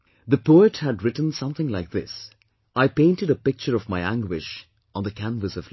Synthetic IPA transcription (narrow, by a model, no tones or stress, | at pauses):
ðɨpoʊɨthɨdɹɪtn̩sʌ̃mθɪ̃ŋlaɪk̚ðɪs | ʔaɪpẽɪ̃ntɨɾəpɪk̚t͡ʃəɾʌvmaɪæ̃ŋɡwɪʃ | ə̃nðɨkʰæ̃nvəsʌv